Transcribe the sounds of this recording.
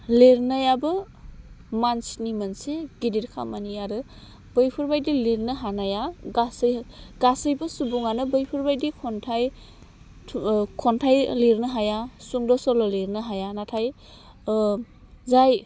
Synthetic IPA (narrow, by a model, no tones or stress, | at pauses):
leɾnajabɯ | mansnimɯnseɡidiɾkʰa̰maniaɾɯ | b̥ɯjpʰɯɾbajdileɾnɯɦanajaɡasɯjɡasɯjbɯsubuŋanɯbɯjpʰɯɾbajdikʰɔntʰajʰ | kʰɔntʰajleɾnɯɦajasuŋdɔsɔlɔleɾnɯɦajanatʰaj | zaj